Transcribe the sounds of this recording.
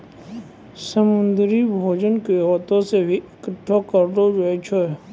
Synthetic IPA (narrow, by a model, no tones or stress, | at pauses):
səmʊ̃nd̪ɾibʱoːd͡ʒənkeoːt̪õsebʱiʔɪkəʈʰːokəɾɖ̪od͡ʒeet͡ʃʰoɛ